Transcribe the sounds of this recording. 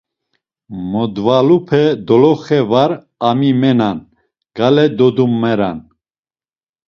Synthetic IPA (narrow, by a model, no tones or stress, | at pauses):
mɔd̪valupʰɛd̪ɔlɔχɛvaɾ | amimɛnan | ɡ̥alɛd̪ɔd̪umːɛɾa̰n